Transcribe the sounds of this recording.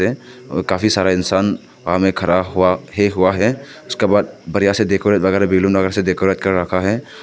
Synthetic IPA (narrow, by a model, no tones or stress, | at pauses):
ekaːfʰisaːɾaɪnsaːn | amẽkʰɐɾaːbɦʊaɦeɦʊaɦɛː | ʊskebaːd̪̚bɐɾijased̪eːkʰoːɾət̪ʋɐɣɛːɾabɪːlũnɐɣɛːɾsed̪eːkʰoɾət̪kəɾɾɐkʰaɦɛː